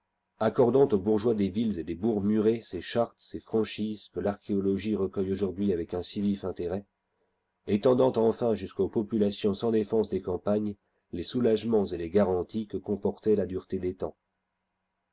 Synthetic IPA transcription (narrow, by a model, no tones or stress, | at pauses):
akɔʁd̪ɑ̃t̪obuʁʒwad̪evilzed̪ebuʁmyʁeseʃaʁt̪sefχɑ̃ʃiz̥kəlaʁkʲeɔlɔʒiʁəkœjoʒuʁd̪ɥiavɛkɛ̃sivifɛ̃t̪eʁɛ | et̪ɑ̃d̪ɑ̃t̪ɑ̃fɛ̃ʒyskopɔpylasjɔ̃sɑ̃d̪efɑ̃sd̪ekɑ̃paɲ | lesulaʒmɑ̃zeleɡaʁɑ̃t̪ikəkɔ̃pɔʁt̪ɛlad̪yʁt̪ed̪et̪ɑ̰̃